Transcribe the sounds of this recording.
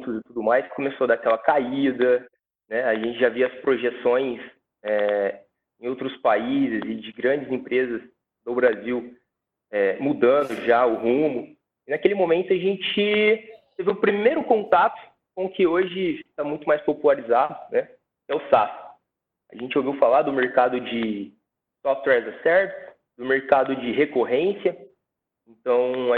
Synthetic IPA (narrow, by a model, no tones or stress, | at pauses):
t̪ʊzɪt̪ud̪ʊmajskomesod̪akɛlɐkaid̪ɐ | nɛaʒẽnt͡ʃɪʒaviɐspɾoʒesõj̃s | ɛ | ẽowt̪ɾʊspaizɪzɪd͡ʒɪɡɾɐ̃nd͡ʒɪzẽpɾezɐs | nʊbɾaziw | ɛmud̪ɐ̃d̪ʊʒaʊɦũmʊ | ɪnakelɪmõmẽnt̪ʊaʒẽnt͡ʃɪt̪evɪʊpɾimejɾʊkõnt̪at̪ʊ̥ | kõkɪoʒɪt̪amũj̃t̪ʊmajspopulaɾizad̪ʊnɛ | kɛʊsafɐ̥ | ɐ̰ʒẽnt͡ʃɪowviwfalad̪ʊmeɾkad̪ʊd͡ʒɪ | sɔft̪wɛɾzɐsɛɾt̪s | d̪̥ʊmeɾkad̪ʊd͡ʒɪɦekoɦẽsiɐ | ẽnt̪ɐ̃w̃ɐ